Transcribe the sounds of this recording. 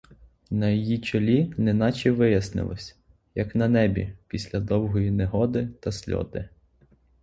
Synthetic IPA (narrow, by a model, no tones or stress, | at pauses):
nɐjɔjit͡ʃɔlʲinɪnɑt͡ʃiʋɪjɐsnɪ̰lˠɔ̰sʲ | jɐknɐnɛbʲḭpʲisʲlʲɐd̪ɔwɦɔjineɦɔd̪ɪt̪ɐsʲlʲɔ̰d̪ɪ